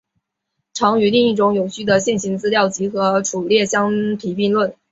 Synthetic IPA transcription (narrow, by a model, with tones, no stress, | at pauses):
ʈ͡ʂʰɑ˧˥ŋy˧˥li˥˧ŋi˥˩ʈ͡ʂʊ˧˥ŋjo˨˩ʊɕy˥˩d̪ə˩ɕjɛ˥˩nɕi˧˥nt͡sɹ̩˥ljɑ˥˩ʊt͡ɕi˧˥xɤ˧˥ʈ͡ʂʰu˨˩ljɛ˥˩ɕjɑ˥ŋt̪ʰi˨˥pi˥˧nlwə˥˩n